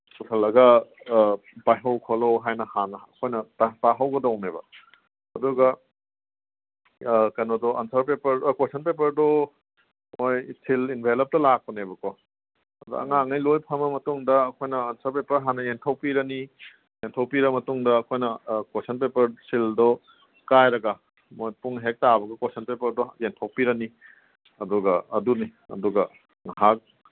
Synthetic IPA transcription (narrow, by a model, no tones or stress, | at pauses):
sukʰɐlɐɡɐ | bajɦɐwkʰɔlowɦajnɐhanɐɐkʰojnɐtataɦɐwɡɐdɐwnebɐ̰ | hɐduɡɐ | kɐjnɔdɔʔɐnsɐɾpepɐɾkwesʰɐnpep̬ɐɾdɔ | mojsʰilinbʱelɐp̚tɐlak̚pɔnebɐkɔ | ɐdṵɐ̰ŋaŋɐjlojpʰɐmɐmɐtuŋdɐːkʰojnɐːnsʰɐɾpepɐɾɦanɐjentʰɐwpiɾɐni | entʰɐwpiɾɐmɐtuŋdɐːkʰojnɐkesʰɐnpepɐɾsʰildɔ | kajɾɐɡɐ | mojpuŋɦek̚tabɐɡɐkosʰɐnpepɐɾdɔentʰawpiɾɐni | ɐdɔɡɐɐ̰duniɐ̰duɡɐ | ŋɦak̚